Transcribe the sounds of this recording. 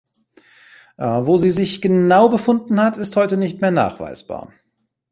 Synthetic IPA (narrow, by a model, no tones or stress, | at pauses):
javoːziːzɪçɡ̥ənaʊbəfʊndn̩hatɪsthɔʏtənɪçtmeːɐna̰ːχv̥a̰ɪsb̥a̰ːɐ